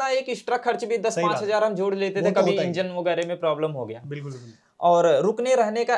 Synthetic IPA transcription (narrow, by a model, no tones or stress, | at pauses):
aeːkɪsʈɾakʰːɐɾt͡ʃbʱid̪ɐspãt͡ʃɦɐzaːɾɦɐmd͡ʒoːɽleːt̪et̪ʰekɐbʱiɪ̃ɲd͡ʒənʋɐɡɛːɾemẽpɾaːbləmɦoɡɐja̰ːbɪʊ | ɔːɾɾʊkneɾɛɦneka